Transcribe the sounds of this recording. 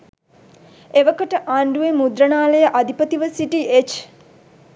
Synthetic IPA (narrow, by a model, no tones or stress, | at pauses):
eʋəkəʈəʔaːɳɖuemud̪ɾənaːləjəʔad̪ʱipət̪iʋəsiʈiʔet͡ʃ